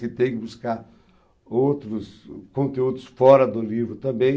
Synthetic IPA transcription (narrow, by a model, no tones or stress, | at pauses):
kɪt̪ẽj̃kɪbuskaɾ | owt̪ɾʊskõnt̪eud̪ʊsfɔɾɐd̪ʊlivɾʊt̪ɐ̃mbẽj̃